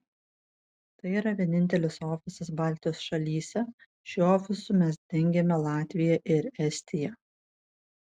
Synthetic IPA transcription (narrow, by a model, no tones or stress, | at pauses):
t̪ɐɪiːɾɐʋʲiɛnʲɪnʲt̪ʲɛlʲɪsoːfʲɪsʲɪsbɑːˑlʲt̪ʲɪjoːsʃɐlʲiːsʲɛ | ʃʲɪoːfʲɪsʊmʲɛsd̪ʲɛŋʲɡʲɛmʲɛlˠɑːt̪ʲʋʲɪjɛʔɪɾɛsʲt̪ʲɪjɛ